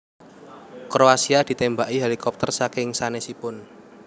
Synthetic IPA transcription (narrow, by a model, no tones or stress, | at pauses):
kɾoasiad̪̥i̤t̪embaʔiɦelikɔp̚t̪ərsakɪŋsanesipʊn